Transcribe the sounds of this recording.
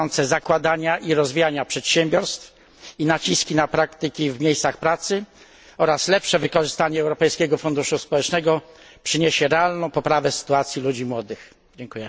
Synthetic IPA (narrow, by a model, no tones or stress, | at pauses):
ɔnt̪sɛzakwad̪aɲaʔiɾɔzvʲijaɲapʂɛt̪ɕɛmʲbʲjɔɾst̪f | inat͡ɕiskʲinapɾakt̪ɘkʲivmʲjejst̪saxpɾat̪sɘ | ɔɾaslɛpʂɛvɘkɔʐɘst̪aɲɛːwɾɔpɛjskʲɛɡɔfund̪uʂuspɔwɛt͡ʂnɛɡɔ | pʂɘɲeɕɛɾɛalnɔ̃w̃pɔpɾavɛsɘ̥t̪uat̪sʲjilud͡ʑimwɔd̪ɘx | d͡ʑɛŋkujɛ